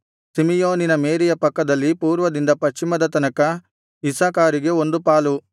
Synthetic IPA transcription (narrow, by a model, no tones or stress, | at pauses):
simijoːninɐmeːɾijɐpɐkːɐd̪ɐlːipuːɾʋɐd̪ind̪ɐpɐʃt͡ʃːimɐd̪ɐt̪ɐnɐkɐ | isaːkaːɾiɡe̞ond̪upaːlu